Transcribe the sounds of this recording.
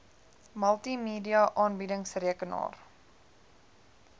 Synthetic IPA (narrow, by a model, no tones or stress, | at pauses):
mɐlˠtimeːdiɐʔɑːnbidəŋsriəkənɑ̰ːr